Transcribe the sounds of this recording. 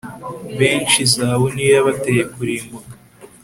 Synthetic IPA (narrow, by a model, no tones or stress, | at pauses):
βeːnt͡ʃizaːβoniːɾaβatejekuɾiːmbuɡa